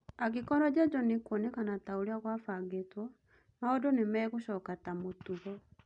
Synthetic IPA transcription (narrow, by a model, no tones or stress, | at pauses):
aɣikɔnɔd͡ʑad͡ʒɔnikonekanatauɾiaɣwafaɡetwɔ | maodɔnemɛɣuɕɔkatamotuɣɔ